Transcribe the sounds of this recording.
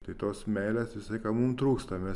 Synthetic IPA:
t̪ɐɪt̪oːsmʲɛɪlʲeːsjɪsɐɪkɐmumt̪ɾuːkst̪ɐmʲɛ

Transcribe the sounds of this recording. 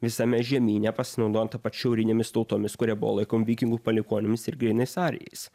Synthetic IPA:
ʋʲɪsɐmʲɛʒʲiɛmʲiːnʲɛpɐsʲɪnɒʊd̪oːjɛnt̪ɐpɐt̪ʃʲɛʊɾʲɪnʲeːmʲɪst̪ɒʊt̪oːmʲɪskʊɾʲiɛbʊʋo̰lˠɐɪkoːmʲʋʲiːkʲɪŋɡuːpɐlʲɪkoːnʲɪmʲɪsɪɾɡɾʲɛɪnɐɪsɑːɾʲɛ̰jɛ̰ɪss

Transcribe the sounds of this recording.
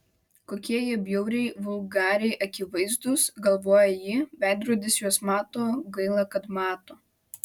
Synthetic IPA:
koːkʲiɛjiɛbʲjɛʊɾʲɛɪʋʊlˠɡɑːɾʲɛɪʔɐkʲɪʋɐɪzd̪ʊsɡɐlˠʋoːjɛjiːbʲæˑɪd̪ɾuɔd̪ʲɪsjuɔsmɑːt̪oːɡɐɪlˠɑkɐt̪mɑːt̪oː

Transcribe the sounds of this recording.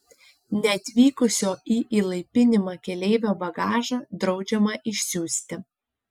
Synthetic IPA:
nʲɛɐt̪ʲʋʲiːkʊsʲoːʔiʔiːlˠɐɪpʲɪnʲɪmɑkʲɛlʲeɪʋʲoːbɐɡɑːʒɐd̪ɾɒʊd͡ʒʲɛmɐʔɪʃʲsʲuːsʲt̪ʲɪ

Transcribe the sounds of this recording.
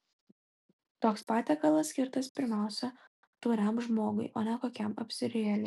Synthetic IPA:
t̪oːkspɑːt̪ʲeːkɐlˠɐsːʲkʲɪɾt̪ɐspʲɪɾʲmʲæˑʊsʲɛ | t̪uːɾʲɛmʒmoːɡʊ̰ɪʔoːnʲɛkoːkʲɛmɐ̰pʲsʲɪɾʲɪɛlʲɛ

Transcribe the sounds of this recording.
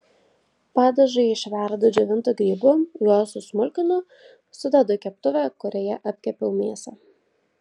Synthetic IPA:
pɑːd̪ɐʒɐɪɪʃʲʋʲæˑɾd̪od͡ʒʲɛʋʲɪnt̪oɡɾʲiːbuːjuɔsʊsmʊlʲkʲɪnʊ | sʊd̪ʲɛd̪oːkʲɛpt̪ʊʋʲækʊɾʲɛjɛʔɐpʲkʲɛpʲɛʊmʲeːsʲɛ

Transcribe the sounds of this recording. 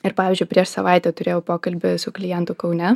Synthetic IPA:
ɪɾpɑːʋʲiːzʲd͡ʒʊɪpʲɾʲiɛʃsɐʋɑˑɪt̪ʲɛt̪ʊɾʲeːjɛʊpoːkɐlʲbʲɪsʊklʲɪjɛnt̪ʊkɒʊnʲɛ

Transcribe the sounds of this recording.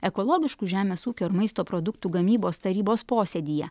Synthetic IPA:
ɛkɔlˠoːɡʲɪʃkuːʒʲæːmʲeːsuːkʲoːɪɾmɐɪst̪oːpɾɔd̪ʊkt̪uːɡɐmʲiːboːst̪ɐɾʲiːboːspoːsʲed̪ʲiːjɛ̰

